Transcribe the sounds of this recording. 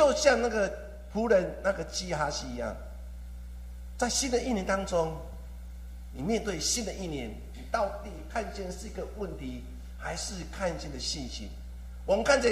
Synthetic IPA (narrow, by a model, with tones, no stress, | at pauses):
t͡ɕjo˥˧ʊɕja˥˧ŋna˥˩ɡə˨ | pʰu˨˦ɾə˨˦nna˥˧˩ɡə˨t͡ɕi˥˩ha˦ɕi˥˨i˨˦ja̰˥˩ŋ | t͡sa˥˩ɪɕi˦nd̪ə˨i˥˩˨njɛ˧˦nt̪a˥ŋt͡so˦˥ŋ | ni˨˩mjɛ˥˧nt̪we˥˩ɪɕi˦nd̪ə˨ʔi˥˩njɛ˨˦n˨ | t̪a˥˧ʊt̪i˥˨kʰa˥˧nt͡ɕɛ˥˧nʂ̩˥˩i˦˥ɡə˨wə˥˨nt̪ʰi˨˦ | ha˧˦ɪʂɻ̩˥˧kʰa˥˧nt͡ɕjɛ˥˧˨nd̪ə˨ɕi˥˨˩nɕḭ˨˦n | wɔ˨mə˨˦kʰa˥˨nt͡ɕʰɛ˨˦